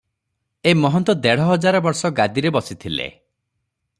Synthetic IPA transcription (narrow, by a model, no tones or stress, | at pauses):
emɔɦɔnt̪ɔd̪eɽ̤ɔɦɔd͡ʒaɾɔbɔɾsɔɡad̪iɾebɔsit̪ʰilḛ